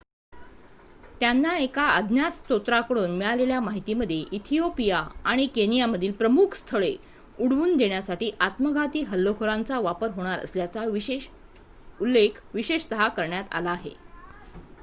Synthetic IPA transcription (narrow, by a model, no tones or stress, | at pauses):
t̪janːaekaəd̪ʱnjast̪ot̪ɾakəɽuːnmiɭaleljamaɦit̪iːməd̪ʱjeʔit̪ʰijopijaaɽ̃ikenijaməd̪ʱiːlpɾəmukʰst̪ʰəɭe | uɽʋuːnd̪eɳjasaʈiːʔat̪məɡʱat̪iːɦəlːoɦoɾãnt͡saʋapəɾɦoɽ̃aɾə̰sljat͡sa | ulːekʰʋiɕeʂt̪əɦakəɾɳjat̪a̰laːɦḛ